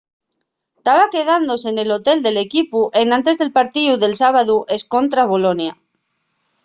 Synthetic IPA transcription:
t̪aβake̞ð̞and̪o̞se̞ne̞lo̞t̪e̞ld̪e̞le̞kipuʔe̞nãnt̪e̞zðe̞lpaɾt̪iðuðelsaβaðuʔe̞sko̞nt̪ɾaβo̞lo̞nja

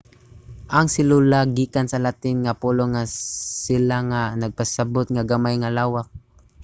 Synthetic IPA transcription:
ʔaŋsɪlulaɡiːkansalat̪ɪnŋapuloŋasɪlaŋanaɡ̚pasabʊt̪̚ŋaɡamajŋalaːwak̚

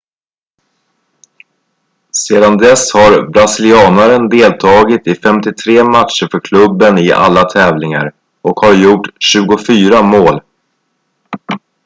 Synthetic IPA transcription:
seːd̪and̪ɛshaɾbɾasɪlɪɑːnaɾənd̪eːlt̪ʰɑːɡɪt̪ɪfɛmt̪ɪt̪ʰɾeːmat̪ʂəɾfœɾkʰlɵbːənɪʔa̰lːat̪ʰɛːvlɪŋa̰ɾ | ɔkhaɾjʊʈːɕʉ̟ːɡʊfyːɾamoːl

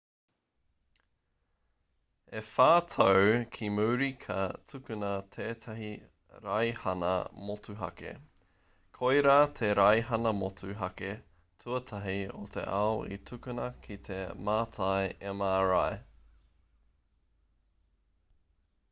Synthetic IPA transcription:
efaːtʰowkʰimuːɾikʰɐtʰʉkʉnɐt̪ʰeːt̪ʰɐɦi | ɾajhɐnɐ̰motuɦɐ̰kḛ | kʰojɾaːt̪ʰeɾɐjɦɐnɐmotʰʉɦɐke | tʰuɐt̪ʰɐɦio̰t̪ʰḛʔaoʔḭtʰʉkʉnɐkʰit̪ʰemaːt̪ʰajemaːɾaj

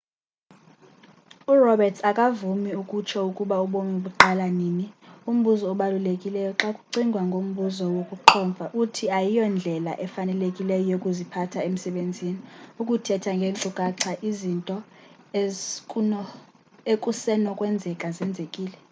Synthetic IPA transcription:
urɔbɛtʰakʼavumiukʼut͡ʃʰɔukʼuɓauɓomiɓuǃalaniːnium̩ɓuzɔːɓalulekʼilɛjɔǁakʼuǀiŋɡʱwaŋɡʱom̩ɓuzɔwokʼuǁʰɔːɱfaʔutʰiajijɔnd͡ɮʱɛla̰ʔɛfanɛlekʼilɛjɔjokʼuzipʰatʰaem̩sɛɓend͡zʱiniukʼutʰɛtʰaŋɡʱenǀukʼaǀʰaʔizintʼɔ | ekʼusɛnɔkʼwɛnd͡zʱɛkʼazɛnd͡zʱekʼiːlɛ

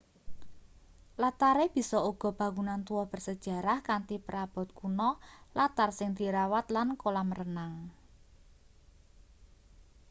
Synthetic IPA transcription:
lat̪aɾeb̥i̤sɔuɡ̥ɔ̤b̥a̤ŋunant̪uwɔb̥ə̤rsəd̥ʒ̥ä̤ɾahkant̪ipəɾab̥ɔ̤t̪̚kunɔlat̪arsɪŋd̪̥i̤ɾawat̪lankolamərənaŋ

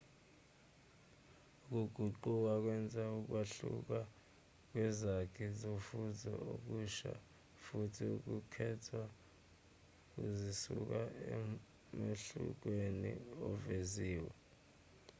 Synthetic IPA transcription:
uk̬uɡ̥ʱuǃuk̬ak̬wɛnd͡zʼʱauk̬waɬṵk̬a | k̬wɛzakʰizofuzɔ̰ok̬uʃa̰ | futʰiuk̬ukʰɛtʰwa | k̬uzisṵk̬aɛ | meɬṵk̬weniɔveziːwɛ̰

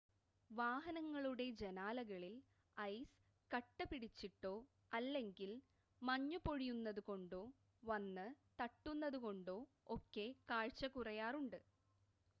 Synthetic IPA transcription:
ʋaːɦɐnɐŋːɐɭuɽe̞d͡ʑenaːlɐɣɐɭil | ɐjs | kɐʈːɨpiɽit͡ɕːiʈːo̞ː | ɐlːe̞ŋɡil | mɐɲːupo̞ɻijunːɐðuko̞ɳɖo̞ː | ʋɐnːɨt̪ɐʈːunːɐðuko̞ɳɖo̞ː | okːe̞kaːɻt͡ɕːɐkurɐjaːruɳɖɨ

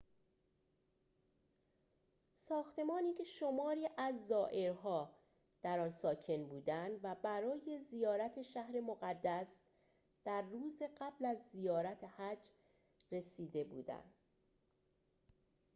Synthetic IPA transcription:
sɒːxt̪e̞mɒːniːcʰe̞ʃo̞mɒːɾiːʔæzːɒːʔe̞ɾɦɒː | d̪̥æɾɒːnsɒːcʰe̞nbuːd̪ænd̪væbæɾɒːje̞zijɒːɾæt̪ʰe̞ʃæhɾe̞moɣæd̪ːæs | d̪̥æɾːuːzeɢæblæzːijɒːɾæt̪ʰe̞hæd͡ʒ | re̞siːd̪e̞bṵːd̪æ̰nd̪̥

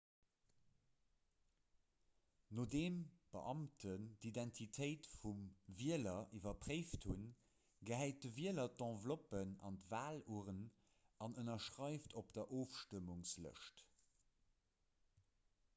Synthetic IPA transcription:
noːdeːmb̥ə̰ʔɑmtʰəndidæntʰitʰəɪtfumviəlɐʔivɐpʁ̥eɪfthun | ɡəɦæɪt̚dəviəlɐtɑ̃vlopənɑ̰ndəvaːluːʁən | ɑnənɐʃʁɑɪftʰopd̥ɐʔoːfʃtəmuŋslə̰ʃt

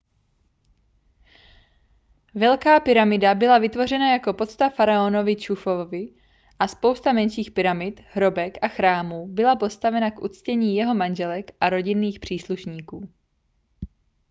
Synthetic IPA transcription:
vɛlkaːpɪɾamɪdabɪlavɪt̪vo̞rɛnajako̞po̞t̪t͡st̪afaɾaono̞vɪt͡ʃufovɪ | ʔaspo̞wst̪amɛnʃiːxpɪɾamɪt̪ɦɾo̞bɛkʔaxɾaːmuːbɪlapo̞st̪avɛnakʔṵt͡scɛɲiːjɛɦo̞manʒɛlɛkʔaɾo̞ɟɪnːiːxpr̝̥iːsluʃɲiːkuː

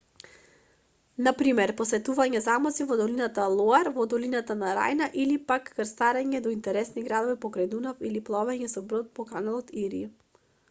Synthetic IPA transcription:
napɾimɛɾpɔsɛt̪uvaɲɛzamɔsivɔd̪ɔlinat̪alˠɔaɾvɔd̪ɔlinat̪anaɾa̰jnaʔilipakːəɾst̪aɾɛɲɛd̪ɔint̪ɛɾɛsniɡɾad̪ɔvipɔkɾajd̪unafiliplˠɔvɛɲɛsɔbɾot̪̚pɔkanalˠɔt̪iɾḭ

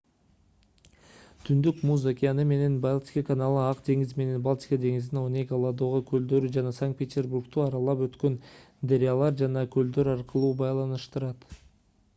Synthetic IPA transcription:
t̪ʰʏnd̪ykmuzakʲijanɯme̞ne̞nbalˠt̪ʲi̥kakanalˠɯɑqd̪e̞ŋizme̞ne̞nbalˠt̪ʲi̥kad̪e̞ŋizɪnonʲekolˠad̪oʁokʰøld̪ø̞ɾyd͡ʒɑnɑsaŋkt̪̚pʲet̪ʲe̞rburkt̪uɑɾɑlˠɑpø̞t̪kø̞n | d̪eɾʲɪjalˠɑɾd͡ʒɑnɑkʰʲɵld̪ø̞ɾɑɾqəlˠuːbɑjlˠɑnɯʃt̪ɯɾɑt̪

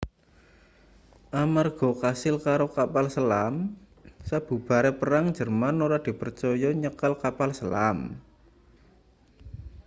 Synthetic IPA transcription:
ʔamarɡ̥ɔ̤kasɪlkaɾokapalsəlam | sab̥ṳb̥a̤ɾɛpəɾaŋ̥d͡ʒə̤rmanoɾad̪̥i̤pərt͡ʃɔjɔɲəkalkapalsəlam

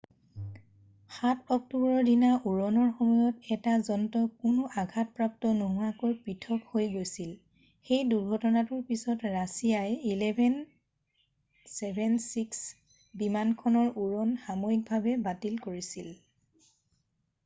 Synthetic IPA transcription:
xatʰɔk̚tubɔɹɔɹdinaʔuɹɔnɔɹxɔmɔjɔtɛtazɔntɔkʊnɔʔaɡʱat̚pɹaptɔnoɦʊakojpɹitʰɔkhojɡojsil | xejduɹɡʱɔtɔnatʊɹpisɔtɹasijajilɛbʱɛn | sɛbʱɛnsiks | bimankʰɔnɔɹuɹɔnxamoik̚bʱabɛbatilkoɹisil

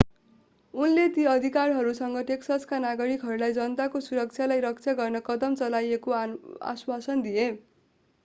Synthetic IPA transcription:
unlet̪iʌd̪ʱikarɦʌɾusʌŋɡʌʈeksaskanaɡʌɽikɦʌrlajd͡zʌnʌt̪akosuɾʌkt͡sʰjalajɾʌk̚t͡sʰjaɡʌrnʌkʌd̪ʌmt͡sʌlajekoa̰swasʌnd̪ije

